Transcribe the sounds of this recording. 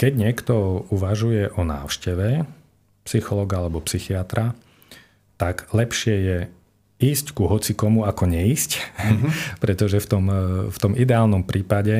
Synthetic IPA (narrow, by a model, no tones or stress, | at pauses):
kɛɟɲɪɛkt̪ɔuʋaʒujɛʔɔna̰ːʊʃcɛʋɛ | psixɔlɔːɡaalɛbɔpsixiat̪ɾʔa | t̪aɡlɛpʃɪɛjɛ | iːsckuɦɔt͡sikɔmuakɔɲɛisc | pɾɛt̪ɔʒɛft̪ɔmft̪ɔmid̪ɛaːlnɔmpɾʔiːpaɟɛ